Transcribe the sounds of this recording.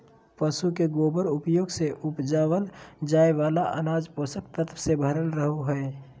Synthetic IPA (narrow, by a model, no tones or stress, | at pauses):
pəsukeɡoːbəɾʊpjoːɡseʔʊpd͡ʒaːwənd͡ʒaːeʋaːlaʔənaːd͡ʒpoːsək̚t̪ət̪ʰʋsebʱəɾənɾəɦoɦɛe